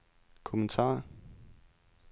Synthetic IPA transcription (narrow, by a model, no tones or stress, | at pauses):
kʰomənt͡sʰɑ̰̈ː